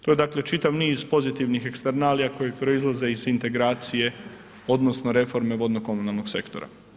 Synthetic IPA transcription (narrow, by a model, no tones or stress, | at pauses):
t̪o̞jed̪akle̞t͡ʃit̪aʋniːzpo̞zit̪iʋnixekst̪eɾnaːlijako̞jepɾo̞izlˠaze̞izint̪e̞ɡɾaːt̪sije̞ | o̞d̪no̞snoɾe̞fo̞ɾme̞ʋo̞d̪noko̞munalˠno̞ɡse̞̰kt̪o̞̰ɾa̰